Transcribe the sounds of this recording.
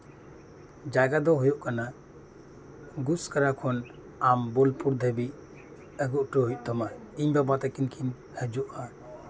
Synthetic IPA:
d͡ʒaɡad̪ɔɦujɔʔkana | ɡuskəɾakʰɔn | ambɔlpuɾd̪ʱəbi | əɡuʔʈɔɦujc̚ˀd̪ɔma | iɲbabat̪akinkʰin | həd͡ʒuʔa

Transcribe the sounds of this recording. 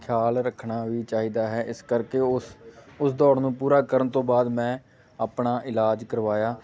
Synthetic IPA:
kʰjaːlɾəkʰɳaːʋiːt͡ʃaːɦiːd̪aːɦɛːʔɪskəɾkeːʊsʊsd̪ɔːɽnũːpuːɾaːkəɾənt̪õːbaːd̪mɛ̃ː | apɳaːʔɪlaːd͡ʒkəɾʋaːjaː

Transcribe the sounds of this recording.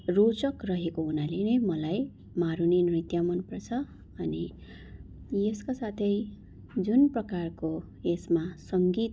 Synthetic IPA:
rot͡sʌkrʌɦekounalenʌjmʌlaj | maɾuninrit̪jamʌnpʌrt͡sʰʌ | ʌni | eskosat̪ʰʌj | d͡zunprʌkarko | esmasʌŋɡit̪

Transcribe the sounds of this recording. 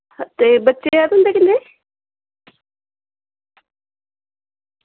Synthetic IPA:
t̪ebətːʃejaːd̪ɦʊnd̪eːkɪnːe

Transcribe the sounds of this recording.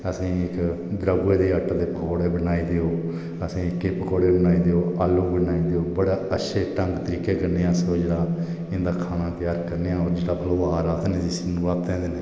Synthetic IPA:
əsĩːɪk | d̪ɾəɡːeːd̪eːəʈd̪eːpəkoːɽeːbənaːiːd̪eoː | əsĩːɪkːeːpəkoːɽeːbənaːiːd̪eoːaːloːbənaːiːd̪eoːbəɽaːəʃʰeːʈəŋɡt̪əɾiːkeːkəɾneːãːsoːd͡ʒeːɽaː | ɪ̃nd̪aːkʰaːnãːt̪ɪjaːɾkəɾneːãːoːɾd͡ʒeːɽaːpəloːaːɾaːt̪ʰnẽːd̪ɪsnũːʋaːt̪ẽːd̪eːneː

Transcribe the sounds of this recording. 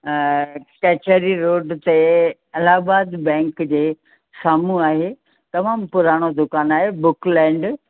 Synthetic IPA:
kɛːt͡ɕəɾiɾoːɖt̪e | ɐlaːbaːd̪bɛ̃ːŋkd͡ʑeː | saːmuaːɦe | t̪ɐmaːmpʊɾaːɽ̃od̪ʊkaːnaːɦebʊklɛ̃ːɳɖ

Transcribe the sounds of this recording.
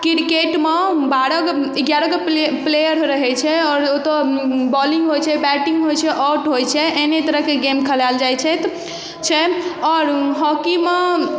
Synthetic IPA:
kiɾkeʈmebaɾəkiɡjaɾəkeplejəɾɾəɦɛt͡ʃʰɛɔːɾot̪ɔbɔliŋɡɦojt͡ʃʰɛbɛʈĩŋɡɦojt͡ʃʰɛʔɔʈɦojt͡ʃʰɛʔenet̪əɾəɦkeɡemkʰəlald͡ʒajt͡ʃʰɛt̪ʰ | t͡ʃʰɛɔːɾɦɔkime

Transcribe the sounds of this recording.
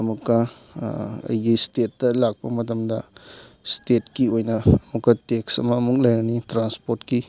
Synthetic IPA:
ɐmukːɐ | ɐ̰jɡistetːɐlak̚pɐmɐtɐmdɐstetkiojnɐːmukːɐteksɐ̰mɐːmuk̚lɐjɾɐnitɾanspoɾtki

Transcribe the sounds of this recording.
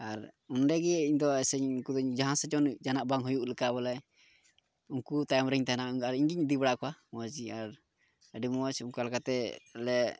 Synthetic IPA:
aɾunɖɛɡɛiɲd̪ɔɛsɛɲuŋkud̪ɔɲd͡ʒaɦãnsɛt͡ʃɔnd͡ʒanaʔbaŋɦujuʔləkabɔlɛ | uŋkut̪ajamɾɛɲt̪ɛanaaɾiɲɡiɲd̪ibaɽaʔkɔamwad͡ʒiaɾ | əɖimuwasumkalkat̪ɛlɛ

